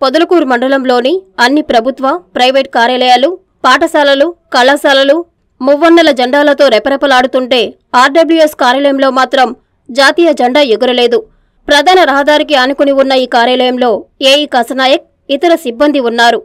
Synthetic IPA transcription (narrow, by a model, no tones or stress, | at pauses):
pod̪ɐlɐkuːɾmɐɳɖɐlɐmlo̞ːniɐnːipɾɐbʱut̪ʋɐpɾɐjʋeːʈ̚kaːɾjaːlɐjaːlu | paːʈɐsaːlɐlukɐlɐsaːlɐlu | muʋːɐnːɐlɐd͡ʒɐɳɖaːlɐt̪o̞ːɾɛpɐɾɐpɐlaːɽut̪uɳʈe̞ː | aːɾɖɐblueskaːɾjaːlɐjɐmlo̞ːmaːt̪ɾɐm | d͡ʒaːt̪iːjɐd͡ʒɐɳɖaːuɡuɾɐle̞ːd̪u | pɾɐd̪ʱaːnɐɾɐɦɐd̪aːɾikiɐnukuniunːɐiːkaːɾjaːlɐjɐmlo̞ːeːjiːkɐsɐnaːjɐk̚ | it̪ɐɾɐsibːɐnd̪ʱiunːaːɾu